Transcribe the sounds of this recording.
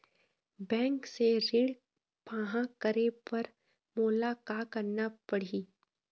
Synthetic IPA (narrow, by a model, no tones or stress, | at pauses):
bɛ̃ːŋkseɾɪɽ | paːɦãkəɾepɐɾ | mʊlakaːkɐɾnapɐɽ̤iː